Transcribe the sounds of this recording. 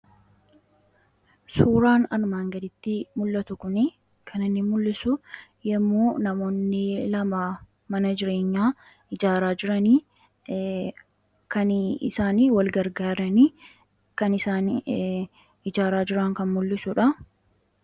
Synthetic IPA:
suːɾaːnɐɾmaːŋɡɐd̪ɪt̪ːɪmʊlːɐt̪ʊkʊnɪ | kʰɐnɪnːɪmʊlːɪsʊjɛmːoːnɐmo̞ːnːɪlɐmaː | mɐnɐd͡ʒɪɾe̞ːɲːaː | ɪd͡ʒaːɾaːd͡ʒɪɾɐniː | kɐnɪ̰saːniːwɐlɡɐɾɡaːɾɐniː | kɐnɪsaːn | ɪd͡ʒaːɾaːd͡ʒɪɾɐŋkɐnmʊlːɪsʊᶑɐ

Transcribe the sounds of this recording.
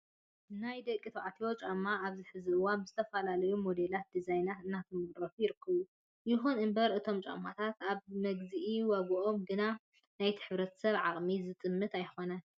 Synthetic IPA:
najd̪ɐkʼːit̪ʰoʕat̪ʰiwo̞t͡ʃʼamːaːβzɨħɨzɨɨwanbɨzɨt̪ʰɐfɐlalɐjumo̞d̪e̞lat̪̚d̪izajnat̪ɨnːat̪ʰɨmɨɣʼɾɐfujɪɾɨkʰːɐβu | jɪxunɨmbɐɾʔɨt̪ʰo̞mt͡ʃʼa̰mːat̪ʰat̪aβmɐɡzɨʔiwɐβɨʔo̞mɡɨna | najt̪ʰi̥ħɨβɾɐt̪ʰɐ̥sɐβʕaχʼmizɨt̪ʼɨmːɨt̪ajxo̞nɐ

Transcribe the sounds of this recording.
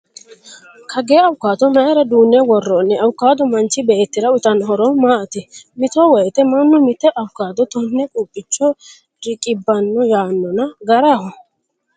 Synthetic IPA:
kʰɐɡeːɐwʊkːaːt̪ɔnɐʔɛɾɐd̪uːnːɛwɔrːɔnːɛɐwʊkːaːd̪ɔmɐnt͡ʃːɪbɛːt̪ːɪɾɐʊt̪ɐnɦɔɾɔmaːɐt̪ɪmɪt̪ɔwɔjɛt̪ɛmɐnːɔmɪt̪ːɛʔɐwʊkːaːt̪ɔt̪ɔnːɛkʼuːpʼːɪt͡ʃːɔ | ɾɪkʼɪbːɐnːɔjaːnːɔnɐɡɐɾahɔ

